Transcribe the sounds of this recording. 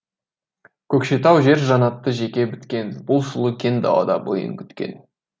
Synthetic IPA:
kʲʰɵkʃe̞t̪ɑwʒe̞ɾʒɑnɑt̪ːəʒe̞kʲe̞bɪt̪kʲe̞nbʊlˠʃʊlˠəkʲʰe̞nd̪ɑ̰w̪ˠɑ̰d̪ɑ̰bo̰jə̰ŋkʲʰʏ̥t̪kʲe̞̰n

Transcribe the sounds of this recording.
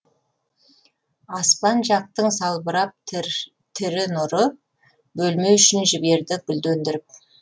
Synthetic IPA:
ɑspɑnʒɑq̚t̪əɴsɑlˠbəɾɑp̚ | t̪ʰɪɾɪnʊɾə | bɵlme̞ʏʃɪnʒɪbe̞ɾd̪ɪɡʲʏld̪ɵnd̪ɪɾɪp̚

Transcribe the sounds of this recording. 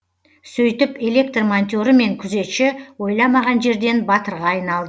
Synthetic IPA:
sɵjt̪ɪpe̞le̞k̚t̪rmont̪ʲo̞ɾəme̞ŋkʲʰʏze̞t̪ʃɪwo̞jlˠɑmɑʁɑnʒe̞ɾd̪e̞nbɑt̪əɾʁɑːjnɑlˠd̪ə

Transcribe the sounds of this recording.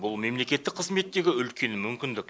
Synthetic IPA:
bʊlˠme̞mle̞kʲe̞t̪ːɪk̚qʰəzme̞t̪ːe̞ɡʲɪʏlkʲe̞nmʏmkʲɪnd̪ɪk

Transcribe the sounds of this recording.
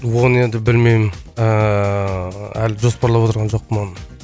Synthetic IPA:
wo̞ne̞nd̪ɪbɪlmejmɪnə | ælʒo̞spɑɾlˠɑpwot̪əɾʁɑnʒo̞q̚pəmonə

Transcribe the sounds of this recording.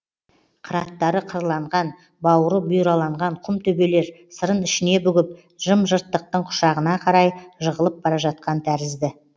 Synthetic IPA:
qʰəɾɑt̪ːɑɾəqʰəɾlˠɑɴʁɑn | bɑwəɾəbʊjɾɑlˠɑɴʁɑɴqʰʊmt̪ʰɵbe̞le̞ɾsəɾənɪʃɪne̞bʏɡʲɪp̚ | ʒ̥əmʒəɾt̪ːəq̚t̪əɴqʰʊ̥ʃɑʁənɑqʰɑɾɑjʒəʁəlˠəp̚bɑɾɑʒɑt̪̚qɑnt̪ʰæɾɪzd̪ɪ

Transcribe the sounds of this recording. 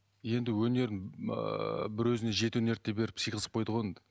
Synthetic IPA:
je̞nd̪ɪwɵne̞ɾɪn̰ | bɪɾwɵzɪne̞ʒe̞t̪ɪwɵne̞ɾt̪ːebeɾɪpsijqəzəp̚qʰo̞jd̪əʁojend̪ɪ

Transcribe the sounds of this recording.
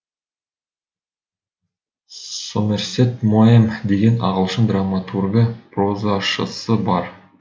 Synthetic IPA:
someɾset̪muemd̪e̞ɡʲe̞nɑ̰ʁəlˠʃənd̪ramat̪ʰurɡəprozɑʃə̰səbɑɾ

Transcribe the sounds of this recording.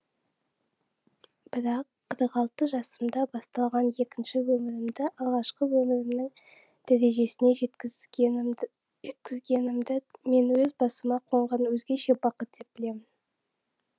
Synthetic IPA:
b̥ɪɾɑqʰːəɾəqɑlˠt̪əʒɑsəmd̪ɑbɑst̪ɑlˠʁɑnje̞kʲɪnʃɪwɵmɪɾɪmd̪ɪʔɑlˠʁɑʃqəwɵmɪɾɪmnɪŋ | d̪̥æɾe̞ʒe̞sɪne̞ | ʒe̞t̪kʲɪzɡʲe̞nɪmd̪ɪme̞nwɵzbɑsəmɑqʰo̞ɴʁɑnwɵzɡʲe̞ʃe̞bɑqət̪̚d̪e̞p̚b̥ɪle̞mɪn

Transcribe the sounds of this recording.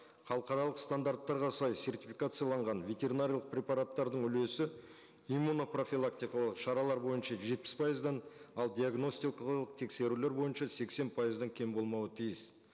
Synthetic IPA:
χɑlˠəqɑɾɑlˠəqst̪and̪art̪ːɑɾʁɑsɑjse̞rt̪ʲifʲijkat̪sɨjalˠɑɴʁɑnve̞t̪ʲe̞ɾʲinaɾʲijlˠəq̚pɾʲepɑɾat̪ːɑɾd̪əɴʏle̞sɪ | imuno̞pro̞fʲilˠak̚t̪ijkɑlˠəqʃɑɾɑlˠɑɾbo̞jənʃɑʒe̞t̪̚pɪ̥spʰɑjəzd̪ɑnɑlˠd̪ʲiaɡno̞st̪iklˠəq̚t̪ʰe̞kse̞ɾule̞ɾbo̞jənʃɑse̞kse̞npʰɑjəzd̪ɑŋkʲʰe̞mbo̞lˠmɑwət̪ʰijɪs

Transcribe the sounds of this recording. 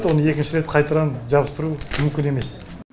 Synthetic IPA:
t̪wo̞nəe̞kʲɪnʃɪɾe̞t̪qʰɑjt̪ɑɾɑnʒɑbəst̪əɾumʏmkʲɪne̞me̞s

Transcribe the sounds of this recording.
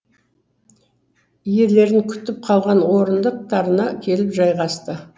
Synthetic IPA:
je̞ɾle̞ɾɪŋkʲʰʏ̥t̪ːɪp̚qʰɑlˠʁɑnwo̞ɾənd̪əq̚t̪ʰɑɾənɑkʲʰe̞lɪpʒɑjʁɑst̪ə

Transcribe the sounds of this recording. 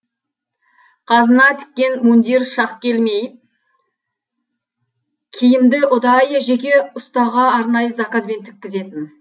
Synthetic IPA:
qʰɑzənɑt̪ʰɪ̥k̚ʲːe̞nmund̪eɾʃɑqkʲe̞lme̞j | kʲʰejɪmd̪ɪʔʊd̪ɑjəʒe̞kʲe̞ʊst̪ɑʁɑːɾnɑjəzɑkazbe̞nt̪ʰɪ̥k̚ʲːɪze̞t̪ɪn

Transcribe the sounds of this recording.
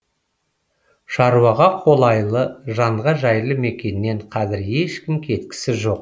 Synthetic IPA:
ʃɑɾuwɑʁɑqʰo̞lˠɑjlˠəʒɑɴʁɑʒɑjlˠəme̞kʲe̞nːe̞ɴqʰɑzɪɾje̞ʃkʲɪmkʲʰe̞t̪kʲɪ̥sɪʒo̞q̚

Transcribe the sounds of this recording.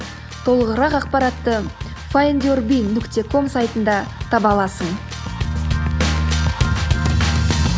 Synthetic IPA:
t̪ʰo̞lˠəʁəɾɑqɑq̚pɑɾɑt̪ːə | faend̪ʲorbʲijnʏkt̪e̞kʰo̞msajt̪ənd̪ɑt̪ʰɑbɑlˠɑsəɴ

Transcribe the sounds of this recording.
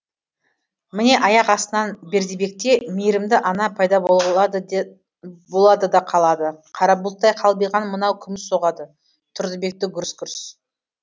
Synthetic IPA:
mɪne̞ʔɑjɑqɑst̪ənɑnbe̞ɾd̪ebe̞k̚t̪e̞mejɾɪmd̪ɪʔɑnɑpʰɑjd̪ɑbo | bo̞lˠɑd̪əd̪ɑqʰɑlˠɑd̪əqʰɑɾɑbulˠt̪ːɑjqʰɑlˠbijʁɑnmənɑwkʲʰʏmɪsːo̞ʁɑd̪ə | t̪ʰʊɾd̪əbe̞k̚t̪ɪɡʲʏɾɪskʲʏɾs

